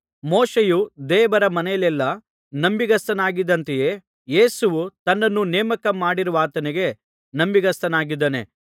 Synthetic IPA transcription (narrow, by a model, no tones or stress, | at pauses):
moːʃejud̪ɛːʋɐɾɐmɐnɛjɐlɛlːɐ | nɐmbiɡɐst̪ɐnaːɡid̪ɐnt̪ejeː | jeːsuʋut̪ɐnːɐnːunɛːmɐkɐmaːɽiɾuʋaːt̪ɐniɡe̞ | nɐmbiɡɐst̪ɐnaːɡid̪ːɐne̞̰